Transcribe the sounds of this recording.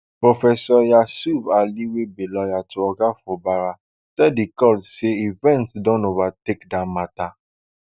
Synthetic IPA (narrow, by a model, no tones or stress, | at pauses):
pɾofɛsɔjasubaliwebelɔjatuɔɡafɔbaɾa | tɛdikɔlseivɛ̃ntsdɔ̃novatekdamata